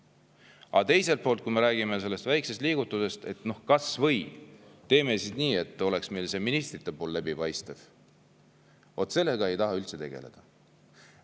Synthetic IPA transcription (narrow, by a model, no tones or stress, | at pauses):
ɑ̰t̪e̞jse̞lt̪̚po̞ːlt̪̚kujme̞ɾæːɡ̥ime̞se̞lːe̞st̪væjksest̪liːɡut̪ːˑuse̞st̪e̞t̪no̞hkɑsvɤ̞jt̪e̞ːme̞sid̥̪niːe̞t̪ːˑo̞le̞ksme̞jlse̞minist̪rit̪ːˑe̞poːlːlæbipɑjst̪ev̥ | ot̪ːˑse̞lːe̞ɡ̥ɑe̞jt̪ɑɦɑylt̪se̞t̪e̞̰ɡ̥e̞le̞̰d̪̥ɑ